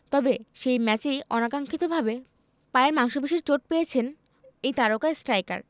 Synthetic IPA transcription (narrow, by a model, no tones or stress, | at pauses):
t̪ɔbeʃejmɛt͡ɕejɔ̰nakaŋkʰit̪obʱabe | paeeɾmaŋʃobeʃiɾt͡ɕoʈ̚pejet͡ɕʰen | ejt̪aɾokaesʈɾajka̰ɾ